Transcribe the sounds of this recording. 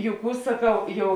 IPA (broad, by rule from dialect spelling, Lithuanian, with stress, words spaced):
jɛʊ ˈkuː sɐˈkɐʊ ˈjɛʊ